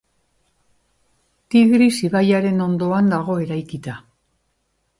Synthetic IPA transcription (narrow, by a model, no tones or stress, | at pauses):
t̪iɣɾisiβajaɾe̞no̞nd̪o̞and̪aɣo̞e̞ɾajkit̪a